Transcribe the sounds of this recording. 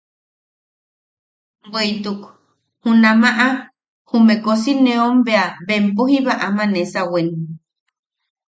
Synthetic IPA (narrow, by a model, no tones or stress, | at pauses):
bwejt̪uk | hunamaʔa | humekosinẽombeaβempuhiβaʔamanesawen